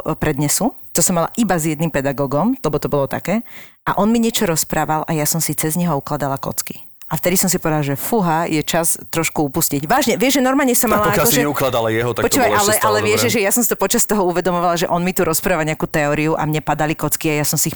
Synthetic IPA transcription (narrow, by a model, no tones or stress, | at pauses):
pɾɛd̪ɲɛsu | t̪ɔsɔmala̰ʔibazjɛd̪nimpɛd̪aɡɔːɡɔmlɛbɔt̪ɔbɔlɔt̪a̰kɛːʔa̰ʔɔnmiɲɪɛt͡ʃɔɾɔspɾaːʋalʔajasɔmsit͡sɛzɲɛɦɔuklad̪alakɔ̰t͡ski̥ | ʔaft̪ɛd̪isɔms̬ipɔʋɛd̪alaʒɛfuɦajɛt͡ʃast̪ɾɔʃkuupusciɟʋaːʒɲɛʋɪɛʒʒɛnɔɾmalɲɛsɔamalapɔakjalkɔʒɛɛuklad̪alajɛɦɔt̪akpɔt͡ʃuːʋajʔalɛʔalɛʋɪɛʒʒɛʒɛjasɔmsit̪ɔpɔt͡ʃast̪ɔɦɔuʋɛd̪ɔmɔʋalaʒɛ̰ʔɔnmit̪uɾɔspɾaːʋalɲɛakuːt̪ɛɔɾiuʔa̰mɲɛpad̪alikɔt͡skiajasɔmsiːx